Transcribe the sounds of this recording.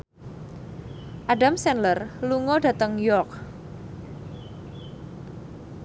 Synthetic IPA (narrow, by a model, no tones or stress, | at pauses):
ʔaɖamsɛnlərluŋɔɖä̤t̪əŋjɔk̚